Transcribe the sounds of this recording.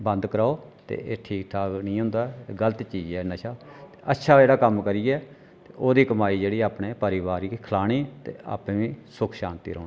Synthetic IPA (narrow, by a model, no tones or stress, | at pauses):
bə̃nd̪kəɾaːoːt̪ḛːeːʈʰiːk̚t̪ʰaːknĩːɦʊ̃nd̪aːɛɡələt̪ːt͡ʃiːd͡ʒɛːnəʃaːt̪eːətːʃʰaːeːɽaːkəmkəɾiːɛː | t̪eːʔoːd̪iːkəmaːiːd͡ʒeːɽiːaːpɳeːpəɾiːʋaːɾiːkʰəlaːɽ̃iːt̪ḛːa̰ːpẽːʋĩːsʊkʰʃaːnt̪ḭːɾoːnː